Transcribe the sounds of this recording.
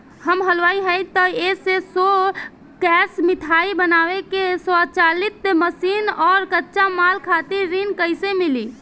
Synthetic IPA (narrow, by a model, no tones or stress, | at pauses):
həmɦəlʋaiɦəjt̪əesesɔ | kɛsmit̪ʰaibənawekesɔət͡ʃalit̪ːeməsinɔːɾkətːʃamalkʰat̪iɾːinkəɪsemili